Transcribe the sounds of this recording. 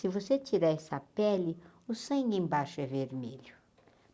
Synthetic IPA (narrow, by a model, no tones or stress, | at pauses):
sɪvoset͡ʃiɾaɛsɐpɛlɪʊsɐ̃j̃ẽj̃baʃɛveɾmeʎʊ